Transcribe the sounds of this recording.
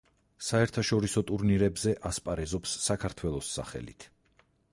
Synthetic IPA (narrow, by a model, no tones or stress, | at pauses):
saɛɾt̪ʰaʃɔɾisɔt̪ʼuɾniɾɛbzɛʔaspʼaɾɛzɔpsːakʰaɾt̪ʰwɛlˠɔsːa̰χɛ̰lḭt̪ʰ